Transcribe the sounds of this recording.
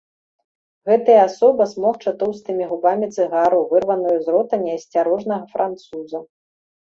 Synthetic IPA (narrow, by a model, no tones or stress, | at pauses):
ɣɛt̪ɐjɐasɔbɐsmɔxt͡ʂat̪ɔwst̪ɨmʲiɣubamʲit̪sɨɣaɾuvɨrvɐnujuzɾɔt̪ɐnʲɛɐsʲt͡sʲaɾɔʐnɐɣɐfɾʔant̪suzɐ